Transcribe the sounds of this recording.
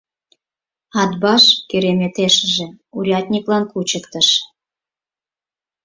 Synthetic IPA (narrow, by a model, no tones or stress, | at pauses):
ɑd̪bɑʃkeɾemʲet̪eʃə̆ʒĕuɾʲɑt̪ʲnʲiklɑnkut͡ɕəkt̪ə̆ʃ